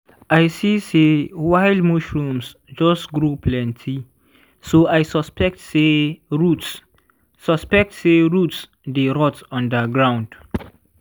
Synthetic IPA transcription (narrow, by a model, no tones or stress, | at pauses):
aɪsisewaɪldmuʃɹũms | d͡ʒɔsɡɹuplɛ̃ntʰi | soajsɔspɛk̚tseɹuts | sɔspɛk̚tseɹuts | deɹɔtɔ̃ndaɡɹãw̃nd̥